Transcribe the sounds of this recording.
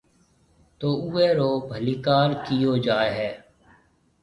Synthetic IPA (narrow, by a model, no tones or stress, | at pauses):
t̪oːueːɾoːbʱəliːkaːɾkijoːd͡ʒaːeɦɛː